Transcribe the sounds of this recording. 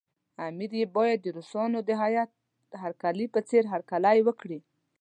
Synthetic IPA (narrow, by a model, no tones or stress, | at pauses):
amiɾjebɑjad̪̚ːəɾusɑnod̪əɦajat̪̚ | ɦaɾkalipət͡seɾɦaɾkalajwəkɽi